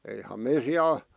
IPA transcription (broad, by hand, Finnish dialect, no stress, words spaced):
eihɑm me siæl